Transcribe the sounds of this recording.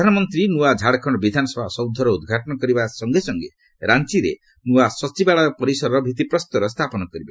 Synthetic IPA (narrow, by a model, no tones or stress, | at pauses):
dʱanɔmɔnt̪ɾinuad͡ʒʱaɽkʰɔɳɔbid̪ʱanɔsɔbʱasɔwd̪ʱɔɾɔud̪ɡʱaʈɔnɔkɔɾibasɔŋɡesɔŋɡḛ | ɾant͡ʃiɾḛ | nuasɔt͡ʃibaɭaɔpɔɾisɔɾɔɾɔbʱit̪ipɾɔst̪ɔɾɔst̪ʰapɔnɔkɔɾibe